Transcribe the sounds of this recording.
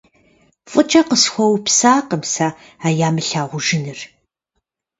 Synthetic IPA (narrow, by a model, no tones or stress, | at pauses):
fʼɨt͡ʃʼɐqəsxʷɔwpsaːqəmsa | aːjaːmɨɬaːʁʷʊʒɪnɨr